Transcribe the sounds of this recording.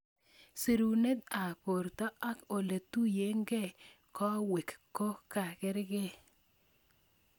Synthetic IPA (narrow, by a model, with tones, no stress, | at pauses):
si˨ɾu˨ne˦t̪a˨ko˨ɾt̪ɔ˦ʔa˦ko˨le˨t̪u˦je˦ŋɡe˦˨ | kɔ˦we˨kkːo˦ka˨kɪ˦ɾɡɪ˦